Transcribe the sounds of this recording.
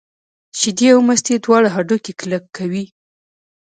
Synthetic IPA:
ʃid̪iawmast̪ed̪wɑɽaɦaɖokeklakʰːawi

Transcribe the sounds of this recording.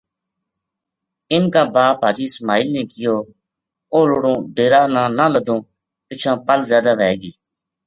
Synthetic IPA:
ɪnkaːbaːpɦaːd͡ʒiːsmaːɪlnẽːkɪjoː | oːlʊɽõːɖeːɾaːnãːnãːləd̪õː | t̪ɪt͡ʃʰãːpəlzjaːd̪aːʋɛːɡiː

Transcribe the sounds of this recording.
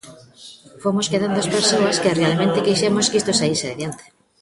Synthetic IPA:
fomoskeðand̪oɐspeɾsoɐskɪrealmẽnt̪ɪkijʃɛmoskist̪osaiɾseðeðjant̪e̥

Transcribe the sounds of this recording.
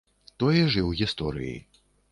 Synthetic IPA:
t̪ɔjɛʐɨwɣʲist̪ɔɾɨ̰jḭ

